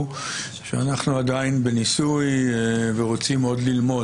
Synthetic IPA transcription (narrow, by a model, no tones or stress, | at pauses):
ʃea̰naχnuad̪ainbenisujveʁo̞t͡simo̞d̪lilmo̞